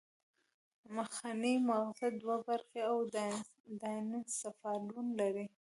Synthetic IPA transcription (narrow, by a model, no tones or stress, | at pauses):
maxanimaɣzɪd̪wabaɾxeaw | d̪ɑnisafɑɾlunlaɾi